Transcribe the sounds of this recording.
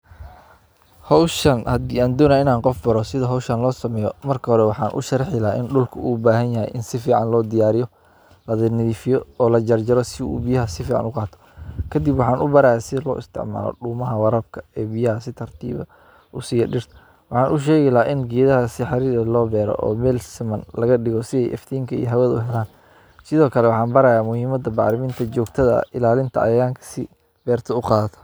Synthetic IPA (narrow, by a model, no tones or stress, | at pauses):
hɔwʃɐnhɐd̪iaːnd̪ɔːnaɪnaːnqɔfbɐɾɔsɪðɐɦɔwʃɐnlɔːsɐmɛːjɔmɐrkʰɐhɔɾɛwɑħɑːnʔʊ̰ʃɐrħɪlaːʔɪ̰nɖʊlkʰʊʔuːbaːɦɐnjɐɦɛ̰jʔɪnsɪfiːʕɑnlɔːd̪ɪjaːɾɪjɔ | lɐðɪnɪðiːfɪjɔɔːlɐd͡ʒɐrd͡ʒɐɾɔsɪṵːbijɐɦɐsɪfiːʕɑ̰nʊqɑːt̪ʰɔ̥kʰɐd̪ibwɑħɑːnʊbɐɾaːjsɪlɔ̰ːʔɪst̪ʰɪ̰ʕma̰ːlɔ̰ɖuːmɐɦɐwɑɾɐb̚kʰɐ̥ɛːbijɐɦɐsɪt̪ʰɐrt̪ʰḭːβɐ̰ | ʔʊsiːjɐɖɪrt̪ʰɐ | wɑħɑːnʔʊʃ̬ɛːɣɛlaʔɪnɡɛːðɐɦɐsɪħɑɾiːɾɐlɔːbɛːɾɔ̰ʔɔ̰ːmɛːlsɪmɐnlɐɣɐɖɪɣɔsɪɛ̰jʔɛ̰ft̪ʰiːŋkʰɐḭjɦɐwɐðʊɦɛlaːn | sɪðɔːkʰɐlɛwɑħɑːnbɐɾɐjaːmʊhiːmɐd̪ɐbɑʕɾɪmɪnt̪ʰɐd͡ʒɔːɡt̪ʰɐðɐ̰ʔɪlaːlɪnt̪ʰɐɐ̰jaːŋkʰɐ̥sɪ | b̥ɛːrt̪ʰɔʊqɑːðt̪ʰɔ̥